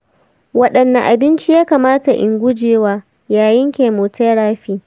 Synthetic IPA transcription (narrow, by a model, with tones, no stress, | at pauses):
wɐ˦ɗɐ˨nːa˨ʔa˨bɪ˦nt͡ʃi˦jaː˦kaː˨maː˦ta˨ʔɪ˨ŋɡʷʊ˦d͡ʒeː˨waː˦ | jaː˨jɪ˦ŋkʲeː˨moː˨teː˦ɽaː˦ɸiː˦